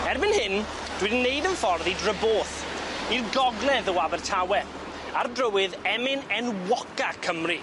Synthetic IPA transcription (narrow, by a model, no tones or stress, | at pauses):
ɛrbɪnhɪn | d̥wɪdnːejdənfɔrðidrəboːθirɡɔɡlˠɛðəwavɛrtʰawɛ | ardrəwɪðɛmɪnɛnwɔkakʰəmri